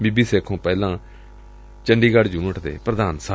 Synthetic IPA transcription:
biːbiːseːkʰõːpɛːlãː | t͡ʃəɳɖiːɡəɽd͡ʒũːəʈʰd̪ḛːpɾəd̪aːnsa

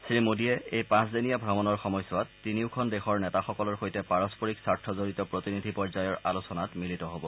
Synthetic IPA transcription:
sɹimodiɛejpãszinijabʱɹamɔnɔɹxɔmɔjsɔwatːiniʊkʰɔndɛxɔɹnɛtaxɔkɔlɔɹxojtɛpaɹɔspɔɹiksaɹtʰːɔzoɹitɔpɹotinidʱipɔɹzajɔɹalosɔnatmilitɔɦobɔ

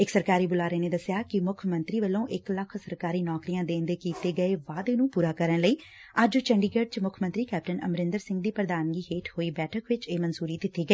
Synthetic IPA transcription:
ɪksəɾkaːɾiːbʊlaːɾeːneːd̪əsjaːkɪmʊkʰmə̃nt̪ɾiːʋəlõːʔɪkləkʰsəɾkaːɾiːnɔːkɾijãːd̪ẽːnd̪eːkiːt̪eːɡəeːʋaːd̪eːnũːpuːɾaːkəɾənləiː | əd͡ʒt͡ʃəɳɖiːɡəɖ̚t͡ʃmʊkʰmə̃nt̪ɾiːkɛːp̚ʈənəmɾɪ̃nd̪əɾsɪ̃ŋɡd̪iːpɾəd̪aːnɡiːɦeːʈʰhoːiːbɛːʈʰəkʋɪt͡ʃeːmənsuːɾiːd̪ɪt̪ːiːɡəeː

